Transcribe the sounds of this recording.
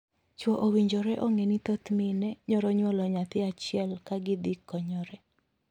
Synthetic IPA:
t͡ʃwɔʔowiɲd͡ʒɔɾɛʔoŋenit̪ot̪minɛɲɔɾɔɲwɔlɔɲat̪ɪat͡ʃɪɛlkaɡɪd̪ɪkːɔɲɔɾɛ

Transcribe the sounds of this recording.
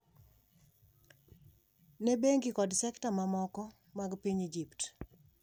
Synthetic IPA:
nebeŋɡikɔdsɛktamamɔkɔ | maɡpiɲid͡ʒipt

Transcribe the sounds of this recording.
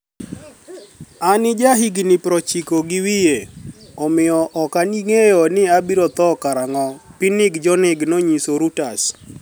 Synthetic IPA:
anɪd͡ʒaɦiɡnɪpɾɔt͡ʃikoɡɪwijeɔmɪjɔʔɔkaniŋejɔnɪabiɾɔt̪ɔkaɾaŋɔpinɪɡd͡ʒɔnɪɡnoɲisoɾutas

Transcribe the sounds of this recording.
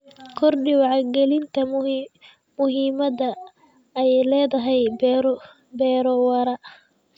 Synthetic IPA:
kʰɔrɗɪwɑʕɑɡɛlɪnt̪ʰɐ | mʊɦiːmɐdɐ | ɛjlɛːðɐɦɛjbɾ | bɛːɾɔwɐɾɐ

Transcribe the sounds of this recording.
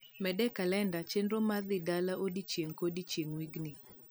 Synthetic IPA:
mɛdɛkalɛndat͡ʃendɾomaðɪdalaʔodit͡ʃjeŋkodit͡ʃjeŋwiɡni

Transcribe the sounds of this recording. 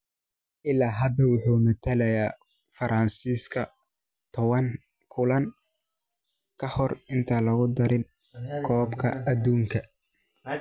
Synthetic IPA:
ʔɪlaːɦɐd̪ɐwʊħuːmɐt̪ʰɐlɐjaː | fɐɾʔɐnsiːskʰɐ | t̪ʰɔwɐn | kʰʊlɐn | kʰɐhɔrɪnt̪ʰɐlɐɣʊd̪ɐɾɪn | kʰɔːbkʰɐɐd̪uːŋkʰɐ

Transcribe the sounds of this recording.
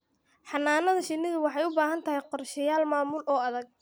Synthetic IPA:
ħɑnːaːnɐðɐʃɪnːɪðʊwɑħɑjʊbaːɦɐnt̪ʰɐɦɛjqɔrʃɪjaːlmaːmʊlʔɔːɐðɐɡ̚

